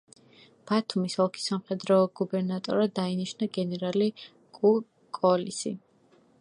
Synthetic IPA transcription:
b̥at̪ʰumisɔlˠkʰi̥samχɛd̪ɾɔːɡubɛɾnat̪ʼɔɾad̪ainiʃnaɡɛnɛɾali | kʼu | kʼɔlisḭ

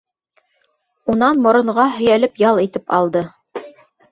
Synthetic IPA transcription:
unɑnmŏɾŏɴʁɑɦɵ̆jælɘpjɑlˠit̪ɘpɑ̰lˠd̪ɤ

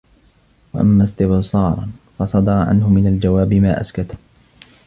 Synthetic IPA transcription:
wa̰ʔa̰mːaːst̪ɪbsˤɑːɾˤɑ̰nfɑsˤɑd̪ɑɾˤɑʕa̰nɦʊmɪnald͡ʒawaːbɪmaːʔa̰skat̪

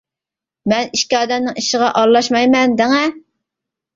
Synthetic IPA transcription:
mɛniʃkʲiɑːd̪ɛmnɪŋiʃɪʁɑʔɑlˠɑʃmɑjmɛnd̪ɛŋɛ

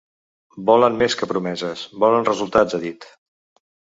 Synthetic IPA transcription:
bɔlənmeskəpɾumɛzəsbɔlənrəzulˠt̪ad͡zəðit̪

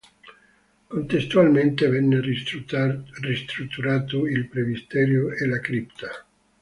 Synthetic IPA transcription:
kont̪est̪ualment̪evɛnːe | rist̪ɾut̪ːuɾaːt̪oilpɾevist̪ɛːɾjoelakɾipt̪ʰa

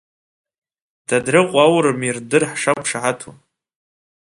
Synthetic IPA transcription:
d̥adrɨqʷʼawɾɨmirdɨrħʂapʰʂaʕatʰṵ

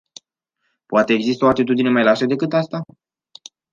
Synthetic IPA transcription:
poat̪e̞ːɡzist̪əo̞at̪it̪ud̪ine̞majlaʃed̪e̞kɨt̪ast̪a

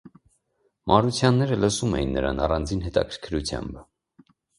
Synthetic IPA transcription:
mɑɾut͡sʰjɑnːɛɾələsumɛ̰jinːəɾɑ̰nɑrɑnd͡zinɦɛt̪ɑ̰kʰəɾkʰɾut͡sʰjɑ̰mbə

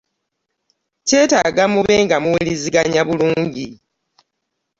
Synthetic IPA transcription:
ce̞ːtaɡamuβe̞ːŋɡamuwiliziɡaɲaβuluːɲɟi

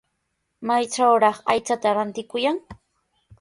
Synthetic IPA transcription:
majt͡ʃawɾɑχajt͡sat̪aɾant̪ɪkʊjaŋ

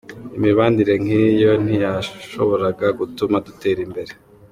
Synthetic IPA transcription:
imiβaːndiɾe̞ŋ̥ijo̞n̥ijaʃo̞βo̞ɾaɡaɡutumadute̞ːɾimbe̞ɾe

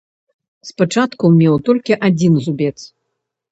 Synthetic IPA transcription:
spat͡ʂat̪kumʲɛwt̪ɔlʲkʲiʔad͡zʲinzubʲɛt̪s

